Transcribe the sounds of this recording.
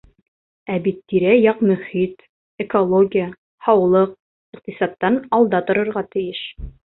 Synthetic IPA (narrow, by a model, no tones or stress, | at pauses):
æbit̪ːiɾæjɑqmɵ̆hit̪ | ekolˠoɡʲɪjə | hɑwlˠɤq̚ | iq̚t̪isɑt̪ːɑnɑlˠd̪ɑt̪ŏɾŏɾʁɑt̪ɘ̆jɘʃ